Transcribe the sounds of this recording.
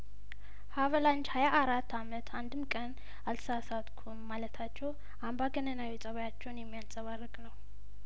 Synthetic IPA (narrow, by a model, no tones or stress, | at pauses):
havəlant͡ʃhajaʔːɾat̪ːamət̪ʰand̪ɨmkʼən | alsasat̪kʰumːalət̪ʰat͡ʃːɛw | ambaɡənənawisʼəβjat͡ʃːɛwnjɛmːijansʼəβarːəkʼnəw